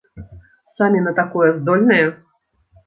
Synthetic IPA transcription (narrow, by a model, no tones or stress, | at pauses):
samʲinɐt̪akɔjɛzd̪ɔlʲnɐjɐ